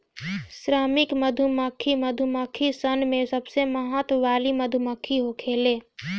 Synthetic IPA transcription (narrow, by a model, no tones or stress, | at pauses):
sɾaːmɪkməd̪ʱuməkʰːiməd̪ʱumakʰisənmẽsəbseməɦət̪ʋaːliməd̪ʱuməkʰːiɦokʰeːleː